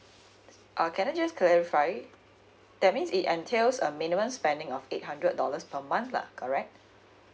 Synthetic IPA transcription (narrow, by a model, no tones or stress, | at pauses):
ʔakʰɛ̃nəd͡ʒəskʰlɛɹifaɪ | d̥ɛt̚mĩnsitɛ̃ntʰelsəminimə̃mspɛ̃ndɪ̃ŋɔfet̚ɦãndɹət̚dɔləspʰəmãnθla̰kʰɔɹɛk̚t̚